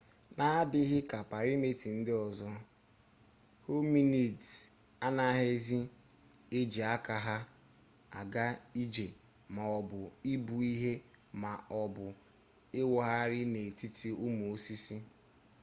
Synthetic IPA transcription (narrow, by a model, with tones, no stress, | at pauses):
na˦dɪ˦ɦɪ˦ka˨pa˨ɾi˦me˨ti˨n̩˦dɪ˦ɔ˨zɔ˦ | ho˦mi˦ne˨t | a˦na˦ɦe˦zi˦ | e˦d͡ʒe˨a˦ka˨ɦa˦ | a˨ɡa˦i˦d͡ʒe˨ | ma˨ɔ˨bʊ˨i˦bu˨i˦ɦe˦ma˨ɔ˨bʊ˨ | ɪ˦wɔ˨ɦa˦ɾɪ˦ne˨ti˦ti˦ʊ˦m˨o˦si˦si˦